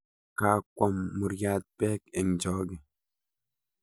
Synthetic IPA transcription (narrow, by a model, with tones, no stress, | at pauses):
kaː˨˦kwɔ˦mːu˨ɾjaː˦t̪̚pɛː˦ke˨ŋd͡ʒɔː˦ɡe˨